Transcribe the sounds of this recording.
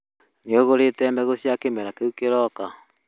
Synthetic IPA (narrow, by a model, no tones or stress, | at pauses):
neoɣoɾetɛmɛɣosiakemɛɾakeukeɾɔka